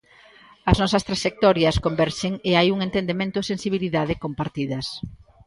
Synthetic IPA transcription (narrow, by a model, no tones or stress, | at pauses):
ɐznɔsɐst̪ɾaʃek̚t̪ɔɾjɐskombɛɾʃeŋeajuŋent̪end̪emẽnt̪ʊesẽnsiβ̞iliðað̞ɪkompaɾt̪iðɐs